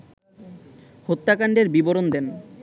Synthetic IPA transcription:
hot̪ːakaɳɖeɾbiboɾond̪en

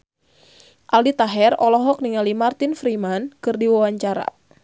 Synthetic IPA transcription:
ʔaldit̪aɦɛrɔlɔɦɔk̚niŋalimart̪ɪnfɾimankɨrdiwawaɲt͡ʃaɾa̰

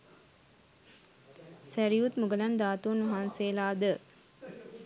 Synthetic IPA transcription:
sæɾijut̪muɡəland̪aːt̪unʋaɦaːnseːlaːd̪ə

